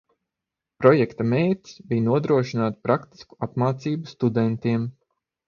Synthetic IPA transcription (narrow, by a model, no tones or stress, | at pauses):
pɾɔjɛkt̪amejt̪ʲsbijnuɔd̪ɾuɔʃinaːt̪pɾakt̪i̥sku̥apmaːt̪siːbust̪ud̪ɛnt̪iɛm